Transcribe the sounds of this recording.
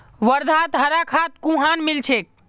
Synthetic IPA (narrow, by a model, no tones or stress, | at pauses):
ʋəɾd̪ʱat̪ɦəɾakʰat̪kũɦanmilt͡ʃʰek̚